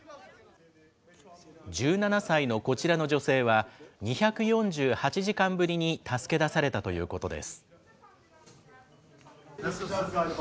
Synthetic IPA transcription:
d͡ʑɨːnanasaino̞ko̞t͡ɕiɾano̞ʑo̞se̞ːβaɲ̟içakɯ̟jõ̞ɲd͡ʑɨːhat͡ɕiʑikãmbɯ̟ɾʲiɲ̟it̪asɨ̥ke̞d̪asaɾe̞t̪at̪o̞jɯ̟̰ːko̞t̪o̞d̪e̞̰sɨ̥

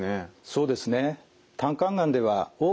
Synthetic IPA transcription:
eso̞ːd̪e̞sɨne̞ | t̪ʰãŋkãŋɡãnd̪e̞βaoː

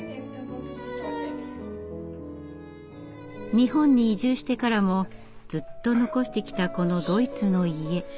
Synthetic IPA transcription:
ɲ̟ihõ̞ɲ̟ːiːʑɨːɕi̥t̪e̞kaɾamo̞ | d͡zɨt̪ːo̞no̞ko̞ɕi̥t̪e̞kʲi̥t̪ako̞no̞d̪o̞it͡sɨno̞ie̞

